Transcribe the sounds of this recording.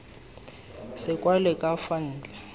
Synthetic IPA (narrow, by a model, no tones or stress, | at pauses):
sɪkʼwalɛkʼafan̩ːd͡ɮʱa